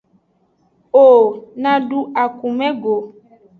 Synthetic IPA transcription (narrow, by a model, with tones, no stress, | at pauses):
o˨nã˨ɖu˦a˨ku˨mɛ̃˦ɡo˨